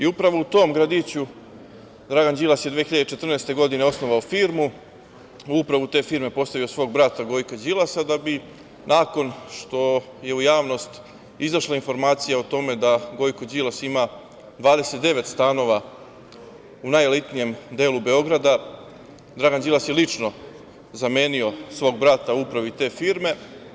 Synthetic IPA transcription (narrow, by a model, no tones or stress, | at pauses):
iupɾaʋo̞ut̪o̞ːmɡɾad̪it͡ɕu | d̪ɾaɡand͡ʑilˠasjed̪ʋexiʎad̪et͡ʃet̪r̩neːst̪e̞ɡo̞d̪ineo̞snoʋaofiːɾmu | uupɾaʋut̪e̞ːfiːɾme̞po̞st̪aʋijo̞sʋo̞ːɡ̚bɾat̪aɡo̞jkod͡ʑilasad̪abi | nʔaːko̞nʃt̪o̞ | je̞ujaːʋno̞st̪ | izaʃlˠainfo̞ɾmaːt̪sijaot̪o̞me̞d̪aɡo̞jkod͡ʑilˠasima | d̪ʋaːd̪e̞se̞t̪̚d̪e̞ʋe̞t̪st̪aːno̞ʋa | unajelit̪nije̞md̪e̞ːlube̞o̞ɡɾad̪a | d̪ɾaɡand͡ʑilˠasjelit͡ʃno̞ | zame̞ːnio̞sʋo̞ːɡ̚bɾat̪auupɾaʋit̪e̞ːfiːɾme̞